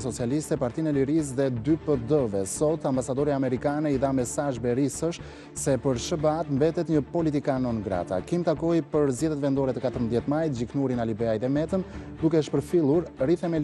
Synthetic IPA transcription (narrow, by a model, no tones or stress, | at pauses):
sɔt͡sialist̪ɛpaɾt̪inɛliɾis̬ðɛd̪ypəd̪əvɛsɔt̪ambasad̪ɔɾiamɛɾikanɛiðamɛsaʒbɛɾisəʃ | sɛpəɾʃəbəat̪mbɛt̪ɛt̪ɲəpɔlit̪ikanɔnɡɾa̰t̪a̰kimt̪akɔjpəɾzɛðɛt̪vɛnd̪ɔɾɛt̪əkat̪əɾmbəðjɛt̪majt̪d͡ʒiknuɾinalibɛajt̪ɛmɛt̪əmd̪ukɛəʃpəɾfilˠuɾriθɛmɛl